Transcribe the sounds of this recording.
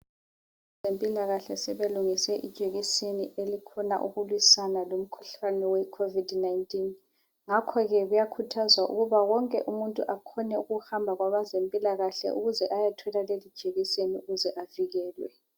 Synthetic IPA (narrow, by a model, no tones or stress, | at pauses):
zempʼilaɣaɬɛsɛβeluŋisɛʔid̥ʒ̥ʱeɣiseniʔelikʰɔna̰ʔuɣulwisanalom̩kʰu̥ɬanɛwɛkʰovidnaintʼin | ŋakʰɔɣɛɣujakʰutʰazwaʔṵɣuβawɔŋkʼɛ̰ʔumuntʼṵʔakʰɔnɛuɣuhambʱaɣwaβazempʼilaɣaɬɛ̰ʔuɣuzɛʔajatʰɛlalelid̥ʒ̥ʱeɣiseniuɣuzɛʔaviɣɛːlwɛ̰